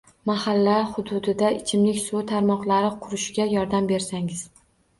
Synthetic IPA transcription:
mahalːaχʊd̪ʊd̪ɪd̪aɪt͡ʃʰɪmlɪkʲsot̪ʰaɾmɒqlˠaɾɪqʰʊɾɪʃɡʲajɒɾd̪ambe̞ɾsaŋɪz̥

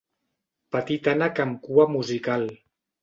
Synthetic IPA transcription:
pat̪it̪anakamkuamuzikal

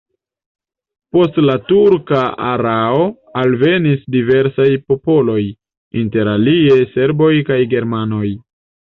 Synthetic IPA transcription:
po̞stlatuɾkaa̰ɾao̞ | alve̞nisdive̞ɾsajpo̞po̞lo̞j | inte̞ɾalie̞se̞ɾbo̞jkajɡe̞ɾmano̞j

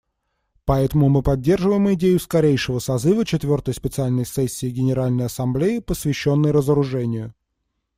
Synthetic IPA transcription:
pɐɛt̪əmʊmɨpɐdʲːe̞rʐɨvəjɪmɪdʲejʊskɐɾʲejʂɨvəsɐzɨvət͡ɕɪt̪vʲo̞rt̪əjspʲɪt̪sɨalʲnəjsɛsʲːɪːɡʲɪnʲɪɾalʲnəjɐsɐmblʲeɪpəsvʲɪɕːo̞nːəjɾəzəɾʊʐɛnʲɪjʊ

